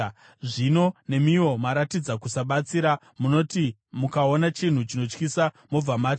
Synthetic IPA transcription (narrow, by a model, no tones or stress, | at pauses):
ʐino̞ne̞mio̞maɾatid͡zakusaɓat͡siɾa | muno̞ti | mukao̞nat͡ʃin̤ut͡ʃino̞t͡ʃkisa | mo̞b͡vamaːt͡ʃ